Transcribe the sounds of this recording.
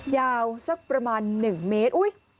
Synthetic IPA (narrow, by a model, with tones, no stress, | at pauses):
jaː˧wsa˦˥˩k̚pɾa˧maː˧nːɯ˨˩ŋmeː˦˥t̪̚ʔu˦˥j